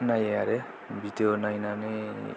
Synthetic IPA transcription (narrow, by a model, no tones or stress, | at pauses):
najeaɾe | bit̪onajnane